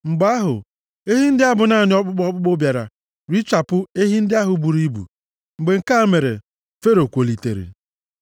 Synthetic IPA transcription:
ŋ͡m̩˨ɡ͡ba˦ɦʊ̰˨ | e˦ɦi˦n̩˦dɪ˦a˦bʊ˨na˦˨nɪ˦ɔ˦k͡pʊ˦k͡pɔ˦k͡pʊ˦k͡po˦bja˨ɾa̰˨ | ɾi˦t͡ʃa˨pʊ˦e˦ɦi˦n̩˦dɪ˦a˦ɦʊ˨˦bu˨ɾi˦bṵ˨ | ŋ͡m̩˨ɡ͡be˨ŋ̩˦ka˦me˨ɾḛ˨ | fe˦ɾo˨kʷo˨li˨tḛ˨ɾḭ˨

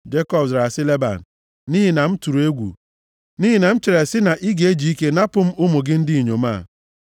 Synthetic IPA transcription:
d͡ʒe˦kɔ˦˨bsɾa˨sɪ˦le˦ba̰˨n̩˨ | ni˦ɦi˨na˨m̩˦tu˨ɾu˨e˦ɡʷṵ˨ | ni˦ɦi˨na˨m̩˦t͡ʃe˨ɾe˨sɪ˦na˨ʔi˦ɡe˦d͡ʒi˨i˦ke˦na˦pʊ˨˦m̩˦ʊ˦mʊ˨ɡɪ˦n̩˦dɪ˦i˨ɲo˨ma̰ː˦˨

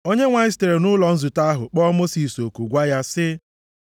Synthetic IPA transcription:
o˦ɲe˦ŋʷa˨ɪ˦ste˨ɾe˨nʊ˦lɔ˨n̩˦zu˨ta˦ɦʊ˨k͡pɔ˦mo˦si˨so˨ku˨ɡʷa˦ja˦sɪ˦

